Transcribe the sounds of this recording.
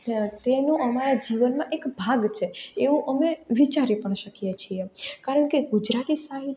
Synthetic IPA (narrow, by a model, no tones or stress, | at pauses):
t̪enũʔəmaɾad͡ʒiʋənmãʔekbʱaɡt͡ʃʰeeʋũʔəmeʋit͡ʃaɾipəɳʃəkijet͡ʃʰiekaɾəɳkeɡud͡ʒɾat̪isaɦi